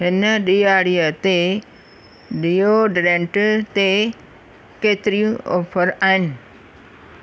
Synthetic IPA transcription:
ɦɪnəɗijaːɽijət̪e | ɗijoɖɾẽːɳʈt̪e | keːt̪ɪɾijũɔ̰ːfʰəɾaːɦɪnɪ̆

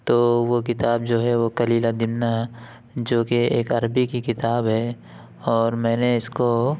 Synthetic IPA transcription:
t̪oːʋokɪt̪aːb̚d͡ʒoːɦɛʋokɐliːlad̪ɪmna | d͡ʒoːkeeːkɐɾbikikɪt̪aːbɦɛ | ɔːɾmɛ̃ːneɪsko

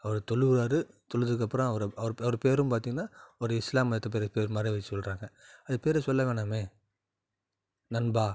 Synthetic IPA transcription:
ɐʋɐɾɯt̪ɔɭɯʋɾaːɾɯ | t̪ɔɭɯðɯk̬ːɐpːɯɾõɐʋɐɾɐʋɐɾɐʋɐɾɯpeːɾɯmpaːɾt̪̬iːŋɡɐnːaːɔɾɯɪslaːmɐɐt̪ːɐp̬eːɾɐpeːɾɯmaːɾiʋɐt͡ʃːɯ̥sɔlɾaːŋɡɐɐðɯpeːɾɛsɔlːɐʋeːɳaːmeː | nɐnbaː

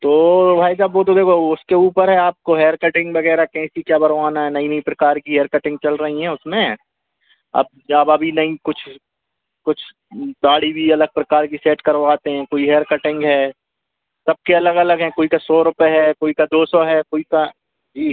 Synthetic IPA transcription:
t̪oːbʱaːid͡ʒabʋoːt̪od̪eːkʰoʊskeuːpəɾɦɛaːp̚koɦeːəɾkɐʈɪ̃ŋɡʋɐɡɛːɾakɛ̃ːsikjaːbɐɾʋaːnaɦɛnɐĩnɐĩpɾɐkaːɾkiɦeːɾkɐʈɪ̃ŋɡ̚t͡ʃɐlɾɐɦiɦɛ̃ʊsmẽ | ɐ̰b̚d͡ʒaːbɐbʱinɐĩkʊt͡ʃʰ | kʊt͡ʃʰ | ɡ̪aːɽibʱiɐləɡ̚pɾɐkaːɾkiseːʈkɐɾʋaːt̪eɦɛ̃koːiɦeːɾkɐʈɪ̃ŋɡɦɛː | sɐb̚keɐləɡɐləɡɦɛ̃koːikasɔːɾʊpeɦɛkoːikad̪oːsɔɦɛːkoːika | d͡ʒiː

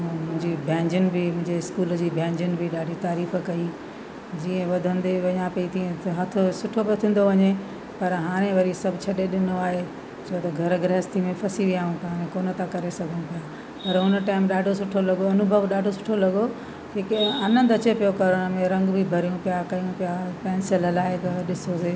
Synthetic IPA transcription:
mʊ̃ɦɪ̃ɲd͡ʑibʱɛ̃ːɲd͡ʑɪnɪ̆bʱimʊ̃ɦɪ̃ɲd͡ʑeɪskuːld͡ʑiːbʱɛ̃ːɲd͡ʑʊnɪ̆bʱiɗaːɖʱit̪aːɾiːfkɐi | d͡ʑiːə̃ʋɐd̪ʱə̃nd̪eʋɐɲãpɐit̪ʰiẽt̪ɐɦɐt̪ʰosʊʈʰopijot̪ʰĩːnd̪oʋɐɲe | pɐɾɦaːɾ̃ẽʋɐɾisɐbʱɪt͡ɕʰɐɗeɗɪnoaːɦe | t͡ɕʰoːt̪ɐɡʱɐɾɡɾɛːst̪ʰimẽfʰɐsiʋiaːũpɦaːɾ̃ẽkoːnət̪ãkɐɾesɐɡʱənũpija | pɐɾɦʊnə̆ʈaːɪmɗaːɖʱosʊʈʰolɐɡoɐnʊbʱəʋɗaːɖʱosʊ̥ʈʰolɐɡo | d͡ʑeːkeɐnə̃nd̪ɐt͡ɕepijokɐɾəɽ̃mẽɾɐ̃ŋɡbʱibʱɐɾijũpijakɐjũpijapɛ̃ːnsɪləlaːɦet̪ɐɗɪsoseː

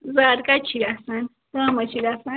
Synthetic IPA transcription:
zaɾɡat͡ʃʰiɾasan | t̪amat͡ʃiɾasa

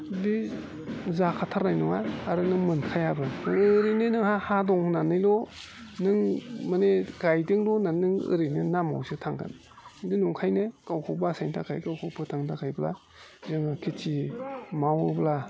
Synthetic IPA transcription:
bi | zakʰatʰaɾnajnɔŋaːɾɯnɯmɯnkʰajabɯnɯŋɯɾinɯnɯŋhahadɔŋnanɯjlɔ | nɯŋmɯneɡajdɯŋlɔnanɯŋɯ̰ɾinɯnama̰wsɯtʰaŋkɯ̰n | indinuŋkʰajnɯkawkʰɔwbasajntʰa̰kʰajkawkʰɔwpʰɯtʰaŋtʰakʰajbla̰ | zɯŋakʰitʰimawɯbla

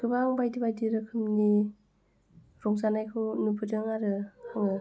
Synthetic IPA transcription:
ɡ̥ɯbaŋbajdibajdiɾɯkʰɯmni | ɾɔŋzanajkʰɯnupʰɯdɯŋaɾɯhaŋɯ

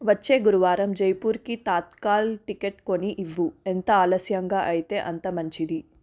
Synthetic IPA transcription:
ʋɐt͡ʃːe̞ːɡuɾuʋaːɾɐmd͡ʒɐjpuːɾkit̪aːt̪kaːlʈikeʈko̞niʔiʋːuent̪ɐaːlɐsjɐŋɡaːʔɐjit̪e̞ːʔɐnt̪ɐmɐɲt͡ʃid̪i

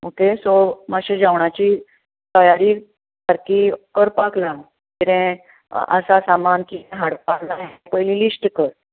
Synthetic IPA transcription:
okesomaɕẽd͡ʑaʋɳat͡ɕiː | t̪əjaɾiː | kaɾkiːkəɾpakla | kiɾɛ̃ | ə̰sasamankiɾɛ̃ɦaɽpaɾnaɦpəjlĩlisʈkəɾ

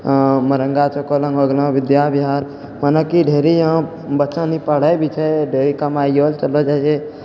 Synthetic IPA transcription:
məɾə̃ŋɡat͡ʃʰokolə̃ŋɡoɡlãʋɪd̪jabiɦaːɾ | mənəkiɖʱeːɾijã | bətːʃãnipəɽ̤əjbʱit͡ʃʰɛɖʱeːɾikəmajoːlt͡ʃəlod͡ʒɛse

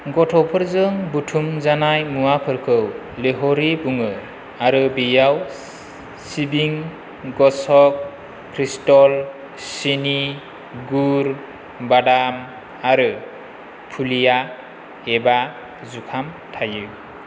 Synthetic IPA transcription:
ɡɔtʰɔpʰɯɾzɯŋbutʰumzanajmuwapʰɯɾkʰɯwleɦɔɾibuŋɯ | aɾɯbijaw | sibiŋ | ɡɔsɔk̚ | kʰɾistɔl | sini | ɡuɾ | badam | aɾɯ | pʰulija | eba | zukʰam | tʰajɯ

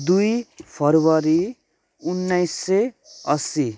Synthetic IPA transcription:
d̪ujpʰʌrwʌɾi | unːʌjsːe | ʌsi

